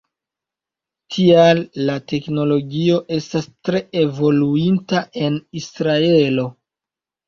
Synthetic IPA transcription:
tʰialːate̞kno̞lo̞ɡio̞ʔe̞stastɾe̞e̞vo̞luintaʔe̞nisɾae̞lo̞

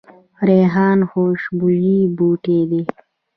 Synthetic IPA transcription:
ɾeːɦɑːnxoːʃbuʒibuːʈeːd̪e

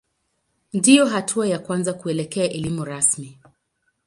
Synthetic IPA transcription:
ndijɔɦatʰuajakwanzakuɛlɛkɛaʔɛlimuɾasmi

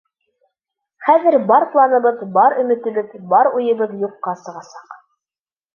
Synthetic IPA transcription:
χæðɘɾbɑɾplˠɑnɤ̆βɤðbɑɾɵ̆mɘ̆t̪ɘ̆βɘðbɑɾujɤ̆βɤðjuqːɑsɤ̆ʁɑsɑq

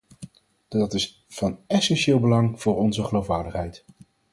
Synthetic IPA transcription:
dɑtɪs | v̥ɑnɛsɛnʃɪːlˠbəlɑŋv̥ʊːɹɔnzəχəlowfʋaːɹdəχɦɛjt

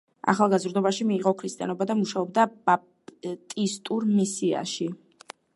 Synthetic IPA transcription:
a̰χalˠɡazɾd̪ɔbaʃimiːʁɔkʰɾist̪ʼianɔbad̪amuʃaɔb̚d̪abap̚ | t̪ʼist̪ʼuɾmisia̰ʃi

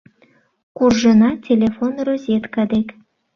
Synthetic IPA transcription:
kurʒɤnɑtʲelʲefonrozʲet̪kɑd̪ek

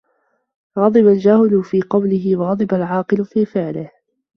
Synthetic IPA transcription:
ɣɑd̪ˤɨbald͡ʒahɪlʊfiːqɑwlɪɦɪwɑɣɑd̪ˤɨbalʕɑːqɨlʊfiːfɪʕlɪh

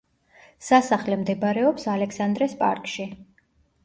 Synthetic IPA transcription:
sasaχlɛmd̪ɛbaɾɛɔpsalɛksand̪ɾɛspʼaɾkʼʃi

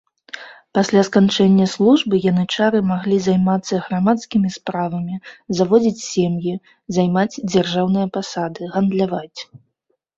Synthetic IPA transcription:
pasʲlʲaskant͡ʂɛnʲːɐslˠuʐbɨjanɨt͡ʂaɾɨmaɣlʲizajmat̪sːɐɣɾamat̪skʲimʲispɾavɐmʲizavɔd͡zʲit͡sʲsʲemji | zajmat͡sʲd͡zʲarʐawnɨjɐpasad̪ɨɣɐnd̪lʲavat͡sʲ

